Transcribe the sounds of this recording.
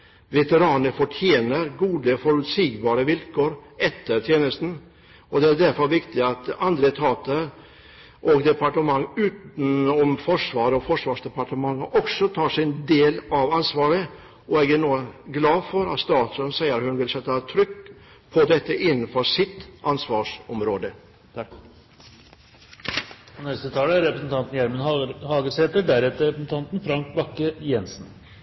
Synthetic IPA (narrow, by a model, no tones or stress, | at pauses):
ʋɛt̪əɾɑːnəfɔʈʰjeːnəɾɡuːd̪əfɔɾʉt̪siːɡbɑːɾəʋɪlkʰoːɾɛt̪ʰːəɾt̪ʰjeːnəst̪n̩ | ɔd̪ɛæɾɖ̪æɾfɔɾʋɪkt̪ɪɑt̪ɑnd̪ɾət̪ʰɑːt̪əɾ | ʔɔɡd̪ɛpɑʈəmɑŋːʉːt̪n̩ɔmfɔʂʋɑːɾəɔfɔʂʋɑːʂd̪ɛpɑʈəmɑŋːəʔɔksɔt̪ʰɑːʂɪnd̪eːlɑʋɑnsʋɑːɾə | ɔɛɡæɾɳuːɡlɑːfɔɾɑ̰t̪st̪ɑːt̪sɔnsæɪəɾhʉnʋɪlsɛt̪ːɑt̪ʰɾʏkː | pʰɔd̪ɛt̪ːəʔɪnːnfɔɾsɪt̪ːʔɑnsʋɑːʂɔmɾoːd̪ə | ɔnɛst̪ət̪ʰɑːləæɾɛpɾəsn̩t̪ʰɑnt̪njæɾmənhɑːɡəseːt̪əɖæɾɛt̪ːəɾɛpəsn̩t̪ʰɑnt̪n̩fɾɑŋkbɑkːəjɛnsn